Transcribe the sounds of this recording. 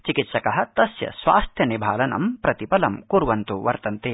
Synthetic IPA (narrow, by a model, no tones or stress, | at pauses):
t͡ʃikit̪ʃɐkɐɦɐ̆t̪ɐsjɐ̰sʋa̰ːst̪ʰjɐnibʱaːlɐnɐ̰mpɾɐt̪ipɐlɐmkuɾʋɐnt̪uʋɐ̰ɾt̪ɐnt̪eː